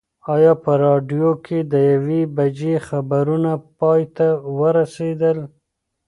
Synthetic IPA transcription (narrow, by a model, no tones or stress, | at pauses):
ɑjɑpəɾɑɖjokʰed̪əjawebad͡ʒexabaɾunapɑjt̪awəɾased̪əl